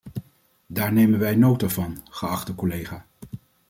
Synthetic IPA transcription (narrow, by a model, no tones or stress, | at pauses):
daːɹnejmənʋɛjnowtavɑnχəɑχtdəkɔlejχaː